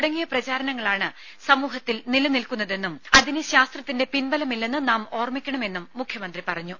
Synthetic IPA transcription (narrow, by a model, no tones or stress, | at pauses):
ɽɐŋːijɐprɐt͡ɕaːɾɐnɐŋːɐɭaːɳɨ | sɐmuːɦɐt̪ːilnilɐnilkunːɐðe̞nːumɐðinɨɕaːst̪rɐt̪ːinde̞pinbɐlɐmilːenːɨnaːmo̞ːrmikʲːɐɳɐme̞nːumːukʰjɐmɐnd̪ripɐrɐɲːu